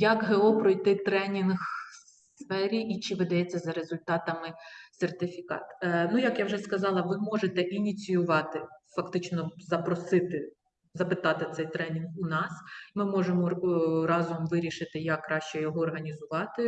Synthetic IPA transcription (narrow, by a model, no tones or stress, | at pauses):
jɐkɦeɔpɾɔjt̪ɪt̪ɾɛnʲinɣsfɛɾʲiʔit͡ʃɪʋɪd̪ɐjɛt͡sʲːɐzɐɾezʊlʲt̪ɑt̪ɐmɪsert̪ɪfʲikɑ̰t̪nujɐkjawʒɛskɐzɑlˠɐʋɪmɔʒet̪ɛʔinʲit͡sʲijʊʋɑt̪ɪfɐkt̪ɪt͡ʃnɔzɐpɾɔsɪt̪ɪ | zɐpɪt̪ɑt̪ɪt̪sɛjt̪ɾɛnʲinɣʊnɑsmɪmɔʒemɔɾɑzɔmʋɪɾʲiʃɪt̪ɪjɐkːrɑʃt͡ʃɛjɔɦɔɔrɦɐnʲizʊʋɑt̪ɪ